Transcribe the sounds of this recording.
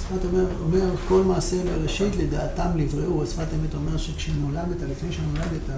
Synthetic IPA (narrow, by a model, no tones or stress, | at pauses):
sfatomeʁome̞ʁko̞lmaːseleʁeʃit̪led̪aːtamlivʁeʔuasfat̪emet̪o̞me̞ʁʃekʃenolamet̪alifnejʃenolamet̪a